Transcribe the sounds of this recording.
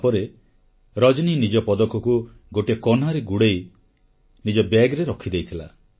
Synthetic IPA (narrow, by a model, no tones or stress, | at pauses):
pɔɾe | ɾɔd͡ʒninid͡ʒɔpɔd̪ɔkɔku | ɡoʈikɔnaɾeɡuɽej | nid͡ʒɔbɛɡɾeɾɔkʰid̪ejt̪ʰila̰